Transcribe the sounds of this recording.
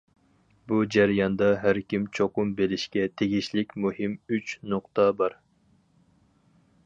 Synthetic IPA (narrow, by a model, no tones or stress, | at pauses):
bud͡ʒæɾijɑnd̪ɑɦæɾkʲimt͡ʃʰoqʊmbelɪʃkʲɛt̪ʰeɡʲiʃlɪkʲmuhɪmyt͡ʃʰnʊqt̪ɑbɑɾ